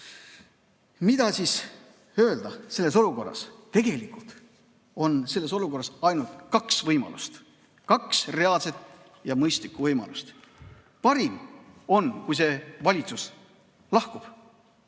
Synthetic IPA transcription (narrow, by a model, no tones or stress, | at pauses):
mid̪̥ɑsiːs | ø̞ːld̪̥ɑse̞lːe̞so̞luko̞rːɑ̰st̪e̞ɡ̥e̞likːˑult̪ | o̞nse̞lːe̞so̞luko̞rːɑsɑjnult̪kɑksvɤjmɑ̰lʔṵst̪ | kɑksre̞ɑlse̞t̪ | jɑmɤjst̪likːˑuvɤjmɑ̰lust̪ | pɑɾimo̞nkujs̬e̞vɑlʲit̪sus | lɑhkub̥